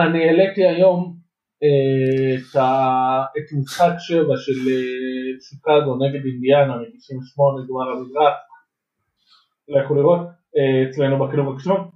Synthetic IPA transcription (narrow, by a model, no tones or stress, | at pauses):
anieletiajo̞m | et̪aet̪musadʃevaʃelesukazoneɡe̞d̪ind̪ianametiʃimveʃmo̞neɡmalamizʁaχ | lejaχoliʁot | eet͡slenubakiluvaki̥ʃʁon